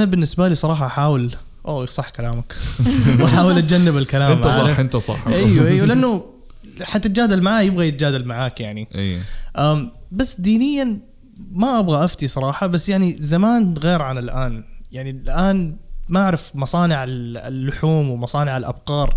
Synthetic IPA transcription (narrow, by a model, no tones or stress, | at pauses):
ʔanabɪnːɪsbaliːsˤɑɾˤɑːħɑʔaħaːwɪl | ʔoːsˤɑħːkalaːmakwʔaħaːwɪlʔat̪̚d͡ʒanːɪbɪlkalaːmʕent̪ˤɑ̰ʔajwaʔijːwlɪʔanːʊ | ħat̪ːat̪̚d͡ʒaːd̪almaʕaːjɪbɣajɪt̪ad͡ʒaːd̪almaʕaːkjaʕniʔʔaːmbasːd̪iːnɪjːan | maʔabɣaʔaft̪isˤɑɾˤɑːħɑbasːjaʕnizamaːnɣeːɾʕanɪlʔaːnjaʕnilʔaːnmaʔaʕɾɪfmɑsˤɑːnɪʕallːʊħuːmwɪmɑsˤɑːnɪʕalʔa̰b̚qɑːɾˤ